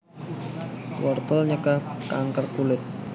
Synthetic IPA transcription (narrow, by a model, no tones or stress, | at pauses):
wɔrt̪ɔlɲəkahkaŋkərkulɪt̪̚